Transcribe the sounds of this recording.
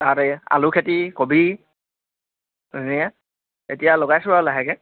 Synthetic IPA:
taɹɛa̰lʊkʰetikobi | niɛ | etijaloɡajsʊɹalaɦɛkɛ

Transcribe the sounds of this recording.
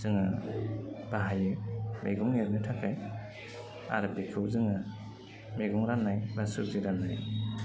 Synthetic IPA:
zɯŋa | b̥aɦajɯmeɡɔŋeɾnɯtʰakaj | a̰ɾɯbikʰɯwzɯŋa | meɡɔŋɾanːajbasɯziɾanːaj

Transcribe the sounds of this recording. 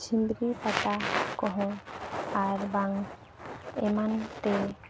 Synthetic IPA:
t͡ʃʰimd̪ɾipat̪akɔ̃ɦɔ̃aɾbaŋ | ɛmant̪ɛ

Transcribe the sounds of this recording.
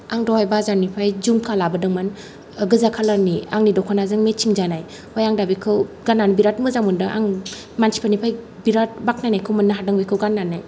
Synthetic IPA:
aŋdɔwhajbazaɾnipʰajzumkʰalabɯdɯŋman | ɡɯzakʰalaniaŋnidɔkʰanazɯŋmet͡ʃiŋzanaj | hojaŋdabikʰɯwɡanːanbiɾatmɯzamundɯʔa̰ŋ | mansʰi̥pʰanipʰaj | biɾat̚bak̚najnajkʰɯwmɯnːaɦadaŋbikʰɯwɡanːanːaj

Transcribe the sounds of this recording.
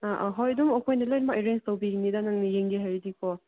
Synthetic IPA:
ʔɦɔjdumɔkʰɔjnalojlmaʔeɾenstawbiɾiŋnidanaŋnijeŋɡiɦaɾidikʰɔ

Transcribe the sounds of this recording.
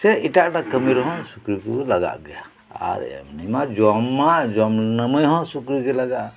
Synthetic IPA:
sɛiʈaʔʈakəmiɾɦɔ̃sukɾikulaɡa̰ʔɡɛja | a̰ɾ̰a̰mnimad͡ʒɔmːad͡ʒɔmnəməjɦɔ̃sukɾikɛlaɡaʔ

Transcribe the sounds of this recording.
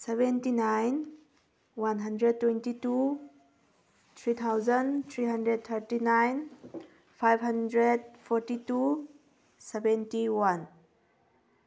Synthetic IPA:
sebɛntinajn | wanɦɐndɾed̚tːwentitu | t̪ʰɾit̪ʰawzɐnt̪ʰɾiɦɐndɾed̚t̪ʰəɾtinajn | pʰajbɦɐndɾed̚pʰɔɾtitu | sebɛntiwan

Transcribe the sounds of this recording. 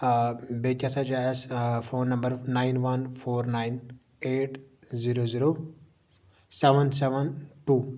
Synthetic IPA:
bekasad͡ʒaesfʰoːnːɐmbəɾnaːɪnʋɐnpʰoːɾnaɪn | eːʈziɾoziɾoː | seʋənsɛʋənʈuː

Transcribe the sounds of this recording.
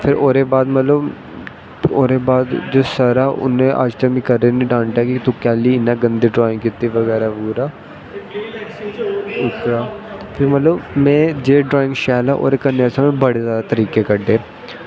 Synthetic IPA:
pʰɪɾoːɾeːbaːd̪mət̪ləb | oːɾeːbaːd̪d͡ʒoːsəɾaːʔʊ̰nẽːʔa̰d͡ʒt̪amĩːkəɾeːniːɖãːnʈaːkit̪ʊ̃kɛːliːɪnːãːɡənd̪iːɖɾɔːɪ̃ŋɡkit̪ːiːʋəɣɛːɾaːpuːɾaː | ʊt̪ɾaːpʰɪɾmət̪ləbmɛ̃ːd͡ʒeːɖɾoːɪ̃ŋɡʃɛːlɛːʔo̰ːɾeːkəɾnːeasəmẽbəɽeːzjaːd̪aːt̪əɾiːkeːkəɖeː

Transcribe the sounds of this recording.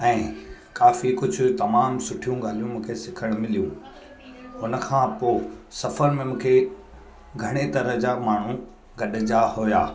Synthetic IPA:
ɛ̃ːkaːfikʊd͡ʑʱʊt̪ɐmaːmsʊʈʰijũɡaːl̤ijũmũːkʰesɪkʰəɽ̃mɪlijũ | ʊnə̆kʰãːpoːsɐfəɾmẽmũːkʰe | ɡʱɐɽ̃et̪ɐɾəɦd͡ʑaːmaːɳ̤ũ | ɡɐɗ̆d͡ʑahʊja̰ː

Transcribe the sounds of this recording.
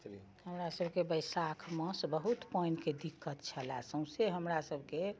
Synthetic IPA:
həmɾasəbʱkebəjsakʰmə̃sbəɦut̪pəjnked̪ikːət̪t͡ʃʰəla̰sə̃w̃seɦəmɾasəbʱke

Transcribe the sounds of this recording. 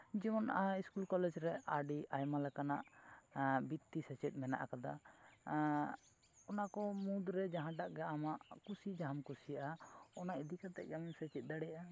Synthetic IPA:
d͡ʒɛmɔnaiskulkɔlɛd͡ʒɾɛaɖiʔajmalɛkanaʔ | bit̪ːisɛt͡ʃɛt̪̚ˀmɛna̰ʔa̰kad̪a̰ | ɔnakɔmũd̪ɾɛd͡ʒaɦãɖaʔɡɛamaʔkusid͡ʒaɦamkusijaʔaɔnaʔid̪ikat̪ɛ̰ʔ̚d͡ʒamɛsɛt͡ʃɛt̪̚d̪aɽɛjaʔa

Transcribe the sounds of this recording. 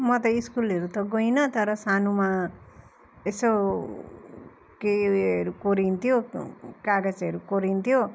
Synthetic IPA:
mʌt̪ʌiskulʌɾut̪ʌɡojnʌt̪ʌɾʌsanuma | eso | keʌɾukoɾint̪ʰijokaɡʌt͡sʌɾukoɾint̪ʰjo

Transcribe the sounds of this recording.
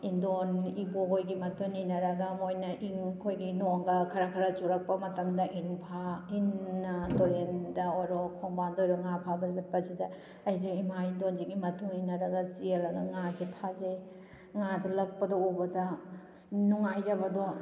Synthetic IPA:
indoniboɦojɡimɐtʰuninɐɾɐɡɐmojnɐʔiŋkʰojɡinoŋɡɐkʰɐɾɐkʰɐɾɐt͡ʃuɾɐk̚pɐmɐtɐmdɐʔinpʰainːɐdoɾendɐojɾɔkʰɔŋbandɔjɾɔŋapʰabɐzɐpɐsidɐ | ɐjziŋimaindonziɡimɐtʰuŋinɐɾɐɡɐsielɐɡɐŋazepʰazej | ŋadɐlɐk̚pɐdɔubɐdɐ | nuŋajzɐbɐdɔ

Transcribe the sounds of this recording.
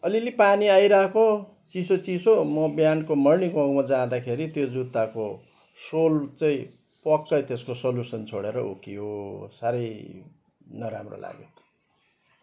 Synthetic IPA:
ʌlilipaniajɾakʰo | t͡sisot͡sisomʌbjankomʌrniɡʌ̃ɡmad͡zãd̪akʰeɾit̪jod͡zut̪ːako | solt͡sʌĩ | pʌkːʌjt̪eskosʌlusʌnt͡sʰoɽeɾʌ̰ṵkiɦosaɾʌj | nʌɾamro̰la̰ɡḛ

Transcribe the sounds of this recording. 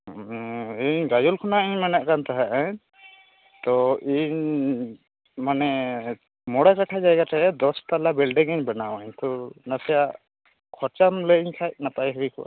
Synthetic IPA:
iɲɡajulkʰɔnaʔiɲmanaʔkant̪aɦɛʔɛɲ | t̪ɔiɲ | manɛ | mɔɽakaʈʰad͡ʒajɡatɛɛd̪ɔst̪alabilɖiŋiɲbɛnawaɲt̪ɔnasɛjaʔ | kʰɔɾt͡ʃamlɛiɲkʰac̚nat̪ajɦɛɾikɔwa̰

